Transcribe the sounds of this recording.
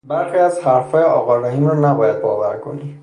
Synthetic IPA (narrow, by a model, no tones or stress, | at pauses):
baɾxiazhaɾfɔjɛɔɡɔlɔɦimɔnabɔjad̪̚bɔba̰ɾkoni